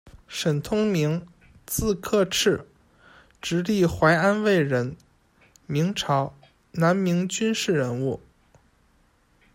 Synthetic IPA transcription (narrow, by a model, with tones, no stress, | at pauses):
ʂə˨˩nt̪ʰʊ˥ŋmi˧˥ŋ | t͡sɹ̩˥˧kʰɤ˥˧ʈ͡ʂʰɻ̩˥˩ | ʈ͡ʂɻ̩˧˥li˥˩xwa˧˥ɪa˥nwe˥˩ɪɻə˧˥n | mi˧˥ŋʈ͡ʂʰɑ˧˥ʊ | na˧˥nmi˧˥ŋt͡ɕy˥nʂɻ̩˥˩ɻə˧˥nu˥˩